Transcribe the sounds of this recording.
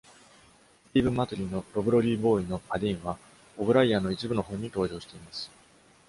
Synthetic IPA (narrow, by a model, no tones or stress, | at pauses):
tʲibɯ̟mat̪oɾʲino̞ɾo̞bɯɾo̞ɾʲiːbo̞ːino̞pad̪ʲĩɰ̃βa | obɯ̟ɾaiano̞it͡ɕibɯno̞ɦõ̞ɲ̟ːit̪o̞ːʑo̞ːɕi̥t̪e̞imasɨ̥